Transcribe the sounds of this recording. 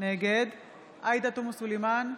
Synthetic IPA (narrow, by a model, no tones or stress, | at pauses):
neɡed̪ | ʔajd̪at̪umusuleman